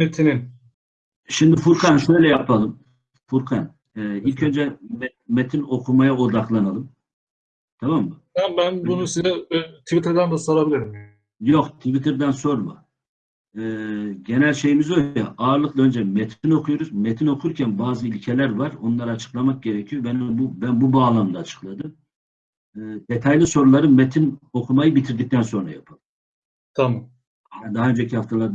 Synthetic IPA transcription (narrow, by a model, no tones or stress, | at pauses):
met̪ʰinin | ʃimd̪ifuɾkʰanʃø̞jlʲɛjapʰalˠɯm | fuɾkʰan | ɛːilʲcʰø̞nd͡ʒɛm | met̪ʰino̞kʰumajao̞d̪aklˠanalˠɯm | t̪ʰamamhɛmbænbunusizɛt̪ʰivit̪ʰɾd̪ænd̪ɛsoɾabilʲiɾimja | jokt̪ʰivit̪ʰiɾd̪ænso̞ɾmɯ | ɯːɟe̞nælʲʃe̞jimizoaʔaːɾlˠɯklˠaø̞nd͡ʒɛmet̪ʰino̞kʰujoɾuzmet̪ʰino̞kʰuɾcʰænbaːzɯilʲcʰelʲæɾvaɾo̞nlˠaɾɯːt͡ʃʰɯ̥klˠamak̚ɟe̞ɾɛcʰijobɛnbubænbubaːlˠamd̪ˠaːt͡ʃʰɯ̥klˠad̪ɯm | ɯːd̪̥et̪ʰajlʲiso̞ɾulˠaɾɯmet̪ʰino̞kʰumajɯbit̪ʰiɾd̪ic̚t̪ʰænso̞nɾa̰japʰɯlˠɯ | t̪ʰamam | hæd̪aɦaønd͡ʒecʰihaft̪ʰalˠaɾ